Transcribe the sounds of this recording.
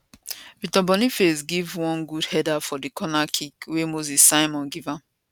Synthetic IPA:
vitɔbɔ̃nifes̬ɡivwɔ̃nɡudhɛdafɔdikʰɔnakʰikwemozisːaɪmɔ̃nɡivãm

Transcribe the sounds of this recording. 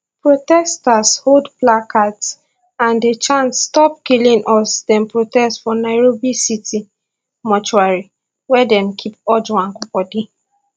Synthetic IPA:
pɹotɛstashodplakats | ãndet͡ʃãntstɔpkilĩŋʔɔsdɛ̃mpɹotɛstfɔnaɪɹobisiti | mɔt͡ʃuaɹi | wɛdɛ̃nkʰipɔd͡ʒwãnkɔpɔdi

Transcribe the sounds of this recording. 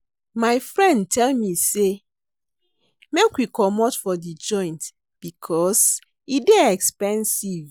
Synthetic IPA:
maɪfɹɛ̃ndtʰɛlmise | mekwikɔmɔtfɔdid͡ʒɔ̃ɪ̃nt | b̥ikʰɔs | ideɛkspɛ̃nsiv

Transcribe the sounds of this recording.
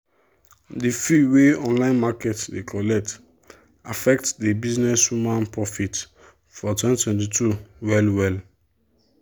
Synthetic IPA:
difiweɔ̃nlãɪ̃nmakɛtdekʰɔlɛk̚t | afɛk̚tdibiznɛswumãnpɹɔfit | fɔtwɛ̃ntwɛ̃ntitʰuwɛlwɛl

